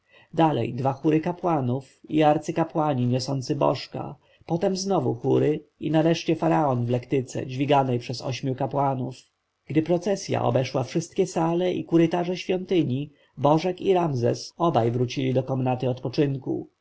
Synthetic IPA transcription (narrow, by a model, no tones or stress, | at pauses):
d̪alɛ̰jd̪vaxuɾɘkapwanufiaɾt̪sɘkapwaɲiɲɔsɔnt̪sɘbɔ̰ʂka̰ | pɔt̪ɛmznɔvṵxuɾɘinaɾɛʂt͡ɕɛfaɾaɔnvlɛkt̪ɘt̪sɛ̰d͡ʑvʲiɡanɛjpʂɛsɔ̰ɕmʲjukapwanuf | ɡ̥d̪ɘpɾɔt̪sɛsʲja̰ʔɔ̰bɛʂwafʂɘst̪̚kʲɛsalɛʔḭkuɾɘt̪aʐɛɕfʲjɔnt̪ɘɲi | bɔʐɛkiɾamzɛsɔbajvɾut͡ɕilʲid̪ɔkɔmnat̪ɘɔt̪pɔt͡ʂɘŋkṵ